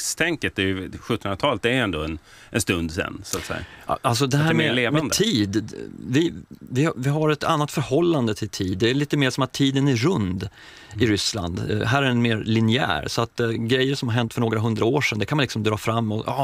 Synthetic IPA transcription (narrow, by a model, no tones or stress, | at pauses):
st̪ʰɛŋkət̪̚d̪ɛɾjɵɧɵt̪ːənɾat̪ʰɑːlət̪d̪ɛɾɛnd̪oːɛn | ʔɛnst̪ɵnd̪sɛ̰nːsʊat̪sɛ̰jːa̰als̬ɔd̪ɛɦæːɾmleːmɛnd̪ət̪ʰiːd̪vɪvɪvɪɦaɾɛt̪ʰanːat̪fœɾhɔlːand̪ət̪ʰɪlt̪ʰiːd̪ːɛæɭiːt̪əmeːʂɔmat̪ʰːiːd̪ənæɾɵnd̪ | ɪɾʏsla̰nd̪ɦæːɾæɾɛnmeːɾlɪnɪæ̰ːɾsɔat̪ɡɾɛjːəɾʂɔmhaɾɦɛnt̪fœɳoːɡɾaɦɵnd̪ɾaoːʂɛnd̪ɛkʰanmanlɪksɔmd̪ɾɑːfɾamːɔʔː